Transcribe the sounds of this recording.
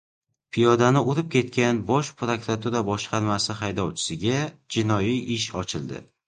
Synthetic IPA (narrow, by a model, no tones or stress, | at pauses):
pʰijɒd̪anɪoɾɪp̚kʲʰe̞t̪̚kʲanbɒʃpʰɾokɾat̪uɾabɒʃqʰɑɾmasɪχajd̪ɒwt͡ʃʰɪ̥sɪɡʲad͡ʒɪnɒjiʔɪʃɒt͡ʃʰɪld̪ɪ̰